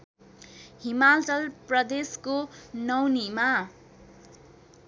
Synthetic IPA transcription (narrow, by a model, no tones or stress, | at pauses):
himaltʌlprʌd̪eskonʌwnima